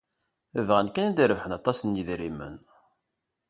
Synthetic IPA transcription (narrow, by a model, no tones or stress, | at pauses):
əvʁænkænænd̪iɾəvħənɑt̪ˤːɑsənjiðɾimə̰n